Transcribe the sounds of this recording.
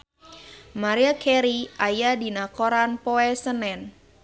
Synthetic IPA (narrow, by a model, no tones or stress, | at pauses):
maɾiakʰɛɾiʔajadinakoɾanpɔɛsənɛn